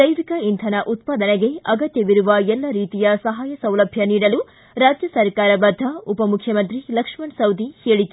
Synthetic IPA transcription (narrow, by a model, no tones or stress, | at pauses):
d̪ɐjʋikɐint̪ʰɐnɐʔut̪paːd̪ɐneɡe̞ɐɡɐt̪jɐʋiɾuʋɐɛlːɐɾiːt̪ijɐsɐɦaːjɐsɐwlɐbʱjɐniːɽɐlu | ɾaːd͡ʒjɐsɐɾkaːɾɐbɐd̪ʱːɐupɐmukʰjɐmɐnt̪ɾilɐkʂmɐɳsɐwd̪iheːɭik